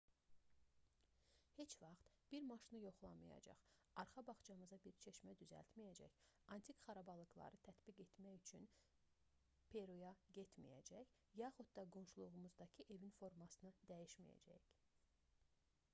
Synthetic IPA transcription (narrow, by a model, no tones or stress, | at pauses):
he̞t͡ʃvɑχt̪b̥iɾmɑʃɯnɯjo̞χlˠɑmɯjɑ̰d͡ʒɑ̰χɑɾχɑbɑχt͡ʃɑmɯzɑbiɾt͡ʃʰeʃmæd̪yzæ̰lt̪mijæd͡ʒæ̰çɑnt̪ʰikχɑɾɑbɑlˠɯɡlˠɑ̰ɾɯt̪ʰæt̪biɡe̞t̪mæjyt͡ʃʰyn | pʰe̞ɾujɑɟe̞t̪mḭjæ̰d͡ʒæç | jɑχud̪d̪ɑɡo̞nʃulˠuʁumuzd̪ɑcʰiʔe̞vinfo̞ɾmɑsɯnɯd̪æjiʃmijæ̰d͡ʒæ̰c